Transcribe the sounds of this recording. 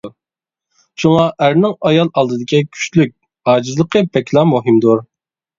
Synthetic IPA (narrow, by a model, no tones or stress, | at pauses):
ʃuŋɑʔæɾnɪŋɑjɑlˠɑlˠd̪ɨd̪ɪkʲikʲʰy̥ʃlyk̚ʲ | hɑːd͡ʒizlˠəqʰəpʰɛkʲlˠɑmuɦɨmd̪uɾ